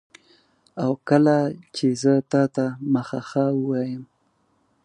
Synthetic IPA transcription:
awkəlat͡ʃezət̪ɑt̪aməxaxawəwɑjəm

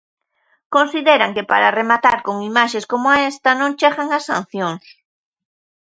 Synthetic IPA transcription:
konsiðeɾaŋkepaɾaremat̪aɾkoŋimaʃeskomʊaest̪ɐnõŋt͡ʃeɣaŋasːã̰n̟θjoŋs

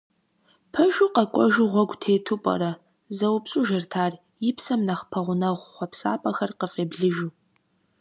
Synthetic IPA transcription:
pʰɐʒuqɐkʷʼɔʒuʁʷɔɡʷtʰeːtʰupʼɐ̰ɾɐ | zɐwpɕʼuːʒɐrtʰaːr | jɪpʰsɐmnɐχpʰɐʁʷʊnɐʁʷχʷɔpsa̰ːpʼɐxɐrqəfʼeːbɮɨʒuː

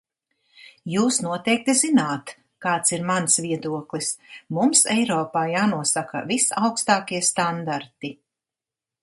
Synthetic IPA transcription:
juːsnuɔt̪ɛjk̚t̪izinaːt̪ | kaːt̪siɾmansvʲiɛd̪uɔklˠismumsɛjɾɔːpaːjaːnuɔsakɐ̰visawkst̪aːkiɛst̪and̪aɾt̪i

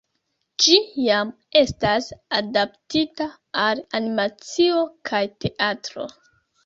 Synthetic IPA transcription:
d͡ʒijam | e̞stasadap̚titaː | lanimat͡sio̞kʰajte̞ʔatɾo̞̰

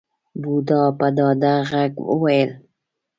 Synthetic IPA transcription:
bud̪ɑpad̪ɑːd̪aɣakwə̰wajəl

